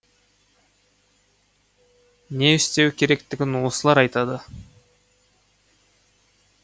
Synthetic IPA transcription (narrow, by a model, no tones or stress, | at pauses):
ne̞ɪst̪e̞wkʲʰe̞ɾe̞kt̪ɪɡʲɪnwosəlˠɑɾɑjt̪ɑd̪ə